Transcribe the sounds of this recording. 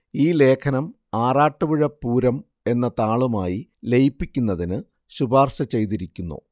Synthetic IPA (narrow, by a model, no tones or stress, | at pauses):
iːle̞ːkʰɐnɐm | aːraːʈːɐʋiɻɐpːuːɾɐm | e̞nːɐt̪aːɭumaːjilejipːikʲːunːɐðinɨ | ɕubaːrɕɐt͡ɕe̞jt̪̬iɾikʲːunːṵ